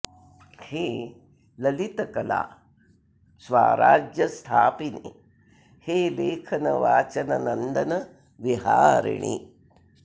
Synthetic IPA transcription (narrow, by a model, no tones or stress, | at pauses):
heː | lɐlit̪ɐkɐla̰ː | sʋaːɾaːd͡ʒjɐst̪ʰaːpine | heːleːkʰɐnɐʋaːt͡ʃɐnɐnɐnd̪ɐnɐ | ʋiɦaːɾḭɳḭ